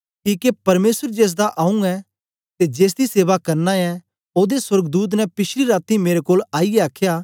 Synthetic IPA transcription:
kiːkepɐɾmeːsəɾd͡ʒeːs̬d̪aʔaːũɛ | t̪ed͡ʒeːs̬d̪iseːʋakɐɾnãɛ̃ | oːd̪eswɐɾɡd̪uːt̪̬nɛpɪʃʰɾiɾaːt̪imeːɾekoːlaːiɛaːkʰjaː

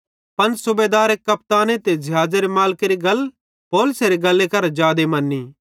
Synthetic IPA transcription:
pɐnsʊbed̪aːɾekːɐpt̪aːnet̪ed͡ʒɐɦaːd͡ʒeɾemaːlkeɾiɡɐl | poːlʊseɾeɡɐlːekɐɾd͡ʒaːd̪emɐnːiː

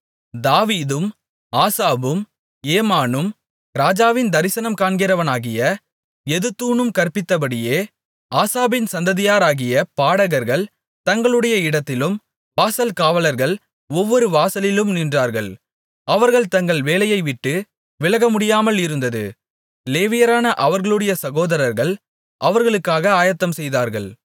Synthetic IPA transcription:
d̪aːʋiːðɯm | aːsaːbɯm | eːmaːnɯm | ɾaːd͡ʒaːʋɪnd̪ɐɾɪsɐnɐmkaːɳɡɪɾɐʋɐnaːɣɪjɐ | ɛðɯt̪ːuːnɯmkɐɾpɪt̪ːɐp̬ɐɽɪjeː | aːsaːbɪnsɐnd̪ɐðɪjaːɾaːɣɪjɐpaːɽɐɣɐɾɣɐɭ | t̪ɐŋɡɐɭɯɽɐjɐɪɽɐt̪ːɪlɯm | ʋaːsɐlkaːʋɐlɐɾɣɐɭ | ɔʋːɔɾɯʋaːsɐlɪlɯmniːndraːɾɣɐɭ | ʔɐʋɐɾɣɐɭt̪ɐŋɡɐɭʋeːlɐjɐɪʋɪʈːɯ | ʋɪlɐɣɐmʊɽɪjaːmɐlɪɾɯnd̪ɐðɯ̰ | leːʋɪjɐɾaːnɐʔɐʋɐɾɣɐɭɯɽɐjɐsɐɣoːðɐɾɐɾɣɐɭ | ʔɐʋɐɾɣɐɭɯkːaːɣɐaːjɐt̪ːɐmsɛjðaːɾɣɐ̰ɭ

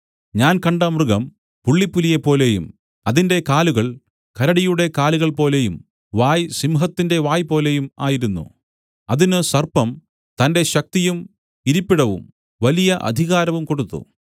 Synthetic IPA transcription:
ɲaːnkɐɳɖɐmrɨɣɐm | puɭːipːulijɐpːo̞ːle̞jṵm | ɐðinde̞kaːluɣɐɭ | kɐɾɐɽijuɽe̞kaːluɣɐɭpo̞ːle̞jum | ʋaːjsimɦɐt̪ːinde̞ʋaːjpo̞ːle̞juma̰ːjiɾunːṵ | ɐðinɨsɐrpɐm | t̪ɐnde̞ɕɐk̚t̪ijum | iɾipːiɽɐʋṵm | ʋɐlijɐʔɐ̰d̪ʱiɣaːɾɐʋumko̞ɽut̪ːṵ

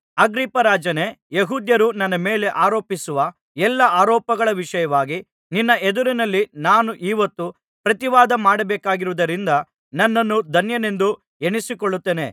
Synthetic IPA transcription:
ɐɡɾipɐɾaːd͡ʒɐnejeɦuːd̪jɐɾunɐnːɐme̞ːle̞ʔaːɾoːpisuʋɐ | ɛlːɐʔaːɾɔːpɐɡɐɭɐʋiʂɐjɐʋaːɡi | ninːɐed̪uɾinɐlːinaːnuʔiːʋɐt̪ːu | pɾɐt̪iʋaːd̪ɐmaːɽɐbɛːkaːɡiɾuʋud̪ɐɾind̪ɐ | nɐnːɐnːud̪ʱɐnjɐne̞nd̪u | eɳisikoɭːut̪ːene̞̰

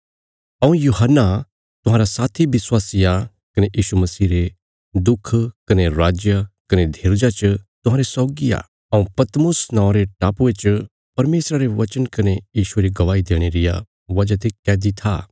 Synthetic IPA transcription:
ɐũjuːɦənːa | t̪ʊɦãːɾasaːt̪ʰiʋɪswaːsija | kɐneʔiːʃumɐsiːɾe | d̪ʊkʰːkɐneɾaːd͡ʒjakɐned̪ʱeːɾd͡ʒat͡ʃt̪ʊ̃ɦãːɾesɔːɡia̰ː | ɐũpɐt̪mʊsnãːʊ̃ɾeʈaːpuet͡ʃ | pɐɾmeːsɾaɾeʋɐt͡ʃənkɐnejiːʃueɾiɡɐʋaːid̪eːɽ̃eɾɪja̰ | ʋɐd͡ʒat̪ekɛːd̪it̪ʰa̰ː

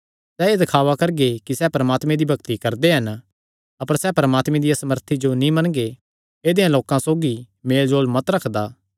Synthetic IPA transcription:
sɛːed̪ɐkʰaːʋakɐɾɡekisɛːpɐɾɐmaːt̪mẽd̪ibʱɐkt̪ikɐɾd̪eɦɐn | ɐpəɾsɛːpɐɾəmaːt̪mẽd̪ijasɐməɾt̪ʰid͡ʒonĩmɐnɡe | eːd̪ejãloːkãsoːɡi | meːld͡ʒoːlmɐt̪ɾɐkʰd̪aː

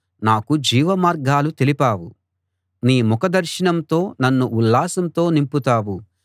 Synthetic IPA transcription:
naːkud͡ʒiːʋɐmaːɾɡaːlut̪e̞lipaːwu | niːmɔkɐd̪ɐɾʃɐnɐmt̪o̞ːnɐnːuʔulːaːsɐmt̪o̞ːnimput̪aːwu

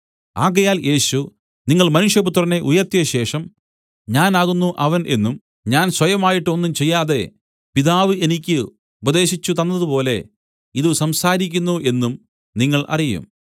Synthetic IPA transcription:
aːɣɐjaːlje̞ːɕu | niŋːɐɭmɐnuʂjɐput̪rɐne̞ʔujɐrt̪jɐɕe̞ːʂɐm | ɲaːnaːɣunːuʔɐʋɐnʔe̞nːum | ɲaːnswɐjɐmaːjiʈːuo̞nːumt͡ɕe̞jːaːðe̞ | piðaːʋɨe̞nikʲːɨ | ubɐðe̞ːɕit͡ɕːut̪ɐnːɐðupo̞ːle̞̰ | iðɨsɐmsaːɾikʲːunːuʔe̞nːum | niŋːɐɭʔɐ̰rijṵm

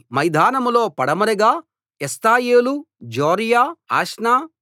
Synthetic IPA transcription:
mɐjd̪ʱaːnɐmlo̞ːpɐɽɐmɐɾɐɡaː | est̪aːjeːlu | d͡ʒoːɾijaːaːʂnaː

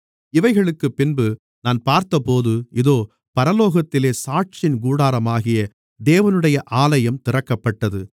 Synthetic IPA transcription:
ɪʋɐɪɣɐɭɯkːɯpːɪnbɯ | naːnpaːɾt̪ɐpoːðɯɪðoː | pɐɾɐloːɣɐt̪ːɪleːsaːʈ̚t͡ʃɪnɡuːɽaːɾɐmaːɣɪjɐ | d̪eːʋɐnɯɽɐjɐʔaːlɐjɐmt̪ɪrɐkːɐpːɐʈːɐðɯ

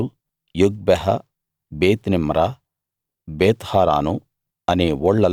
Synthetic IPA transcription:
u | juɡ̚bɐɦɐ | beːt̪nimɾa | beːt̪haːɾa̰ːnu | ɐneːʋɔɭːɐ

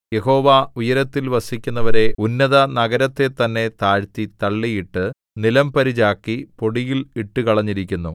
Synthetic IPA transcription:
je̞ho̞ːʋaujɐɾɐt̪ːilʋɐsikʲːunːɐʋɐɾe̞unːɐðɐnɐɡɐɾɐt̪ːe̞t̪ɐnːe̞t̪aːɻt̪it̪ɐɭːijiʈːɨ | nilɐmpɐɾit͡ɕaːkːipo̞ɽijiliʈːɨkɐɭɐɲːiɾikʲːunːu

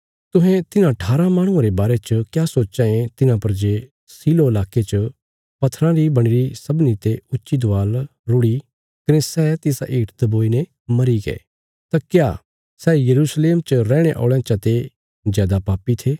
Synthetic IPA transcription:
t̪ʊ̃ɦɛ̃t̪ɪnãʈʰaːɾãmaːɽ̃ʊ̃ãɾebaːɾet͡ʃəkjaːsoːt͡ʃãːẽt̪ɪnãpɐɾd͡ʒe | siːloɪlaːket͡ʃə | pɐt̪ʰːɾãɾibɐɽ̃ɪɾisɐbnit̪eʊtːʃid̪ʊʋaːlɾʊɽi | kɐnesɛːt̪ɪsa̰ʔiːʈd̪ɐboːine | mɐɾiɡḛː | t̪akjaː | sɛːjɐɾuːsleːmt͡ʃəɾɛːɽ̃eʔo̰ːɭãt͡ʃat̪e | d͡ʒaːd̪apaːpit̪ʰeː

